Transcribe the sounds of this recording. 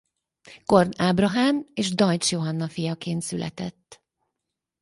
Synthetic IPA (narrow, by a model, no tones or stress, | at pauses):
ko̞rnaːbrɒɦaːmeːʒd̪ɒjt͡ʃjo̞ɦɒnːɒfijɒkeːnt̪sylʔɛ̰t̪ɛt̪ː